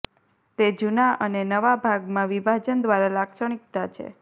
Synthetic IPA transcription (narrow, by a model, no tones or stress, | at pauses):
t̪ed͡ʒunaʔənenəʋabʱaɡmãʋibʱad͡ʒənd̪ʋaɾalakʃəɳik̚t̪at͡ʃʰḛ